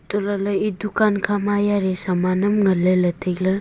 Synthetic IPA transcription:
t̪uɾalɐid̪ukankʰamajaɾesɐmanɐmŋɐlelɐt̪ʰeklɐ

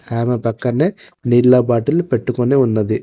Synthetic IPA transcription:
aːmɐpɐkːɐnːɐ | niɾlːaːpaːʈːɪlpɛʈːɯkːonːeːʊnːɐðɯ

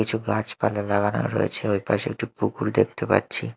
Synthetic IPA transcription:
it͡ɕʰuɡat͡ɕpalelaɡano̰ɾo̰jḛt͡ɕʰeojpa̰ʃḛk̚ʈipukuɾd̪ek̚ʰt̪epa̰ɾɕʰi

